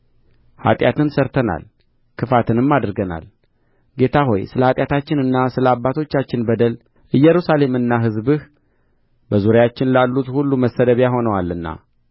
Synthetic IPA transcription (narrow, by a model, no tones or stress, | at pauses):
ha̰t̪ʼjat̪ɨnsəɾt̪ʰəna̰l | kʰɨfat̪ʰɨnɨmːad̪ɾɡəna̰l | ɡe̞t̪ʰaɦo̞̰jsɨləhat̪ʼjat̪ʰat͡ʃːɪnɨnːasɨləabːat̪ʰo̞t͡ʃːat͡ʃːɪnbəd̪əl | ʔɨjːɛɾusale̞mɨnːaɦɨzbɨh | bəzuɾjat͡ʃːɪnlalːut̪hulːuməsːəd̪əβjaɦo̞nəwalɨnːa̰